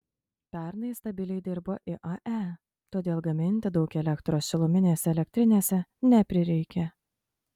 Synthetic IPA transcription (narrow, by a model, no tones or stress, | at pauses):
pʲæˑɾnɐɪst̪ɐbʲɪlʲɛɪd̪ʲɪɾboːʔɪʔɐʔæ | t̪oːd̪ʲeːlˠɡɐmʲɪnʲt̪ʲɪd̪ɒʊkɛlʲɛkt̪ɾoːsʃʲɪlˠʊmʲɪnʲeːsʲɛɛlʲɛk̚t̪ʲɾʲɪnʲeːsʲɛnʲɛpʲɾʲɪɾʲɛɪkʲɛ